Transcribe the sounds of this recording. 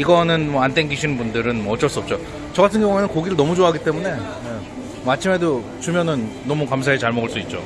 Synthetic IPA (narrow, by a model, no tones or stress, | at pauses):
iɡʌnɯnmʌant͈eŋɡiɕʰinɯnbundɯɾɯnmʌʌt͡ɕ͈ʌɭs͈uʌp̚t͡ɕ͈o | t͡ɕʌɡatʰɯnɡjʌŋuenɯnkoɡiɾɯɭnʌmud͡ʑoaaɡit͈e̞mune̞ | e | at͡ɕʰime̞do | t͡ɕumjʌnɯnːʌmukams̬ʰaet͡ɕaɭmʌɡɯɭs͈uit̚t͡ɕ͈o